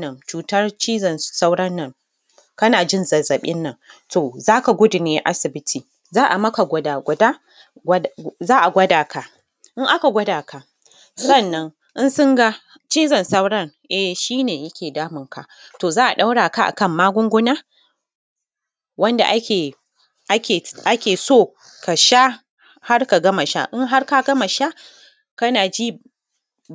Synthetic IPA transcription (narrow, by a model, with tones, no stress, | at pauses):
nɐ˨nt͡ʃuː˨tɐ˦rt͡ʃiː˦zɐ˨nsa˦wɽɐ˦nːɐ˦ŋ | kɐ˦naː˨d͡ʒɪ˦nzɐ˨zɐ˨ɓɪ˦nːɐ˨ŋtoː˨zaː˦ka˨ɡʷʊ˦dɪ˨neː˦ʔa˦sɪ˨bɪ˦tʰiː˨ | zaː˦ʔa˨mɐ˦ka˨ɡʷɐ˨da˨ɡʷɐ˨daː˦ | ɡʷzaː˦ʔa˨ɡʷɐ˦daː˨ka˨ | ʔɪ˦ŋʔa˦ka˨ɡʷɐ˦daː˨kʰa˨ | sɐ˦˨nːɐ˦ŋ | ʔɪ˦nsʊ˦ŋɡa˦ | t͡ʃiː˦zɐ˨nsɐ˦wɽɐ˦ŋʔɛ˨ʃiː˦neː˨jɐ˦kʲeː˨daː˦mɪ˨ŋka̰˨ | toː˨zaː˦ʔa˨ɗa˦wɽaː˨ka˦ʔa̰˨kɐ˦˨mːaː˦ɡʷʊ˦ŋɡʷʊ˦naː˦ | wɐ˦nda̰˨ʔa˦kʲe˨ | ʔa˦kʲeː˨ʔa˦kʲeː˨soː˦˨ | ka˨ʃa˦ | ha˦rka˨ɡɐ˦ma˨ʃa̰˦ʔɪ˦ŋɦa˦rka˦ɡɐ˦ma˨ʃa˦ | kɐ˦naː˨d͡ʒiː˦